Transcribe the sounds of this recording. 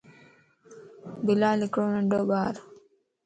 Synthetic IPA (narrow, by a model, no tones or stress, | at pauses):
bilaːlikɾoːnɐɖoːbaːɾu̥